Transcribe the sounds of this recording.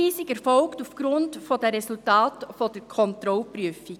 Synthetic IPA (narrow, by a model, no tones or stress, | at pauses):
iːsiɡɛɾfɔlktufɡ̥ɾʊndfod̥ɛɾɛsultɑːtfod̥əɾkʰɔntɾɔlpɾyəfi